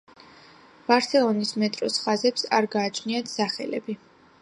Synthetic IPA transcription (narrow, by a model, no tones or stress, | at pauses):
b̥aɾsɛlˠɔnismɛt̪ʼɾɔsχazɛpsaɾɡaːt͡ʃʰniat̪ʰsaχɛlɛbi